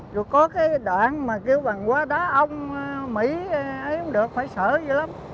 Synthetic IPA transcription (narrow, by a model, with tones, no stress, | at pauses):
zo˨˩jkɔ˨˦kaː˨˦jɗaː˧˨nmaː˨˩ki˧əwɓa˨˩ŋkwaː˧ɗaː˨˦ʔə˧wŋ͡mmḭ˧˥˨ʔə˨˦jʔʊ˨˧˦ŋ͡mɗɨ˨˩ək̚faː˧˩jsəː˧˩zə˧˩la˨˦m